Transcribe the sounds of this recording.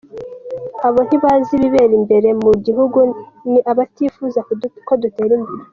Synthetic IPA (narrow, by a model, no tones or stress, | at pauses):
aβo̞n̥hiβaziβiβe̞ːɾimbe̞ɾe̞muɟiɦuɡuniʔaβatifuzakodute̞ːɾimbeɾe